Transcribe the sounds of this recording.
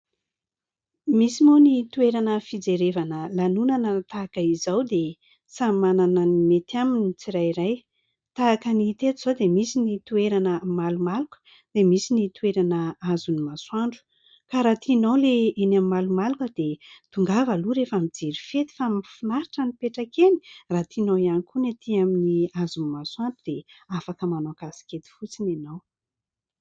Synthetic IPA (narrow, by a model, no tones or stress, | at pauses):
misimonit̪ueɾanəfid͡zeɾevanəlanunanət̪aːkəizawd̪e | samanananimet̪jaminit͡siɾajɾaj | t̪aːkənit̪et̪uz̥od̪emisinit̪ueɾanəmalumalukə̥ | d̪̥emisinit̪ueɾanəazunimaswaɳɖ͡ʐu̥ | kaɾat̪ʰinowleenamimalumalukəd̪̥et̪uŋɡavaluɾefamid͡ziɾifet̪i̥famifunaɾiʈ͡ʂənipeʈ͡ʂakeni̥rat̪ʰinowianikunet̪ʰiaminiazunimaswaɳɖ͡ʐud̪̥eafakəmanakasi̥kʲet̪i̥fut͡sinanaw